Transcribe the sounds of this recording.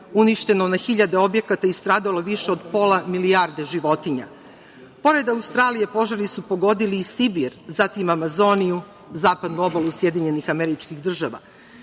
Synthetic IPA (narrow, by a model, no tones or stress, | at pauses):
uniʃt̪e̞no̞naxiʎad̪e̞o̞bje̞kat̪aist̪ɾaːd̪alo̞ʋiʃe̞o̞d̪po̞lamiliaɾd̪e̞ʒiʋo̞t̪iɲa̰ | po̞ɾe̞d̪aust̪ɾaːlije̞po̞ʒaɾisupo̞ɡo̞d̪iliːsibiɾzat̪imamazo̞niju | zaːpad̪nuo̞balusje̞d̪iɲe̞nixameɾit͡ʃkixd̪r̩ʒaʋa̰